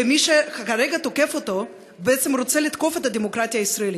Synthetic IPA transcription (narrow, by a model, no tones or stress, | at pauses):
emiʃexaxɐɾɛɡat̪okɛfot̪o | bɛt̪sɛmɾot̪sɛlit̪kofat̪ɐd̪ʲɛmokɾat̪ijɐisɾɐeli